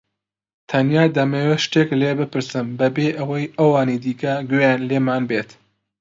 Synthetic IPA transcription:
t̪ʰɐnjaːd̪ɐmeːweʃt̪eklebɨpɨɾsɨmbɐbeːʔɐwɐjʔɐwaːnid̪iːkɐɡejaːnleːmaːnbeːt̪

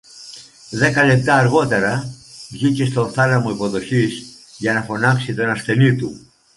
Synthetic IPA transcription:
ðe̞kɐle̞p̚t̪ɐːɾɣo̞t̪e̞ɾɐvʝicest̪o̞θɐnɐmo̞ipo̞ðo̞çis | ʝɐnɐfo̞nɐksit̪o̞nɐsθe̞nit̪u

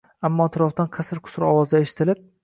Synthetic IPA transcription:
amːɒt̪ʰɪɾɒft̪anqʰasɪɾqʰʊ̥sɾɒwɒzd̪aeʃɪ̥t̪ʰɪlɪp̚

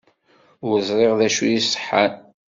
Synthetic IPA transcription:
ɾəzˤɾˤeʁðæʃujisˤə̥ħːan

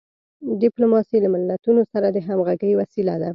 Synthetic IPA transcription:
ɖɪplomɑsilamɪlːat̪unosaɾad̪əɦamɣaɡəjwasilad̪a

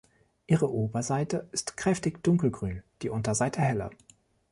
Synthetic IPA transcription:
ʔiːʁəʔoːbɐzaɪtəɪstkʁ̥ɛftɪçd̥ʊŋkl̩ɡʁyːnd̥iːʔʊntɐzaɪtʰəhɛlɐ̰

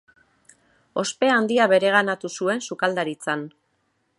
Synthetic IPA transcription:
o̞spe̞and̪iaβe̞ɾe̞ɣ̞anat̪usue̞nsukald̪aɾit͡san

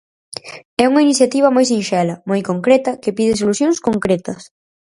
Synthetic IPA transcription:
ɛuŋɐiniθjat̪iβ̞ɐmojsĩnʃɛlɐmojkoŋkɾɛt̪ɐkɪpiðɪsolusjõŋskoŋkɾɛt̪ɐs

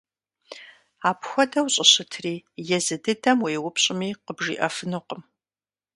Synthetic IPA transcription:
aːpxʷɔdɐwɕʼɪɕɪtʰriːjɛzɨdɨdɐmweːwʊpʰɕʼɪmiːqəbʒḭːʔɐfɨnɨqəm

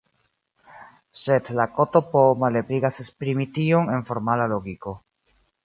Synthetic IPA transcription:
se̞dlako̞to̞pomale̞pliɡasespɾimitio̞ne̞nfo̞ɾmalaloɡiko̞

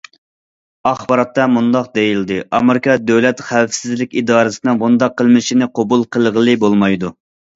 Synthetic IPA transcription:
ɑχbɑɾɑt̪ːɑmund̪ɑq̚d̪ejild̪ɨʔɑmeɾɪkʰɑd̪øwlɛt̪χæfsɪzlɪkʲid̪ɑːɾɨsɪnɨŋbund̪ɑqːəlˠmɪʃinɪqʰobulˠqʰəlˠʁəlˠɨbolˠmɑjd̪u

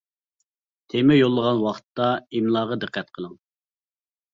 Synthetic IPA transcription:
t̪ʰemɛjolˠːəʁɑnwɑχt̪ːɑimlˠɑːʁɑd̪ɨqʰːæt̪qʰəlˠɨŋ

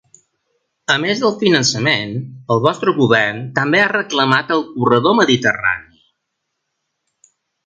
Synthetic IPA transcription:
əmezðəlˠfinənsəmenəlˠβɔst̪ɾəɣuβɛrnt̪əmbearəkləmat̪əlˠkurəðoməðit̪əra̰ni

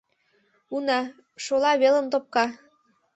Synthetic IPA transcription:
unɑ | ʃolɑβelə̆mt̪op̚kɑ

